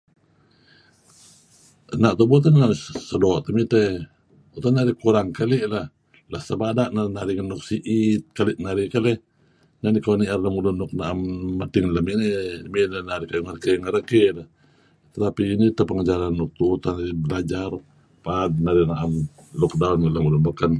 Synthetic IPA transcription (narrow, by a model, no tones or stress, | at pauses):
ənaʔt̪ubut̪anamsədoːʔt̪əmit̪e | ut̪anaɾikuɾaŋkaliʔlah | lasəbadaʔnanaɾiŋanuk̚siʔit̪̚kaliʔnaɾikale | nanikawaniarlamulunːɔk̚naʔamːat̪iŋləmiʔniminanaɾikajŋərəkeŋəɾəkelah | t̪ət̪apiːnit̪apəŋəd͡ʒaɾanːuk̚t̪uut̪anaɾiblad͡ʒar | pad̪̚naɾiʔnaʔam | lɔk̚daunkəlamulunbəkən